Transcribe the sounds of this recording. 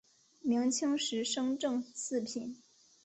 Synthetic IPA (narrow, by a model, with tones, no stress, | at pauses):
mi˧˥ŋt͡ɕʰi˥ŋʂɻ̩˧˥ʂɤ˥ŋʈ͡ʂɤ˥˧ŋt͡sʰɹ̩˥˩pʰi˨˩˦n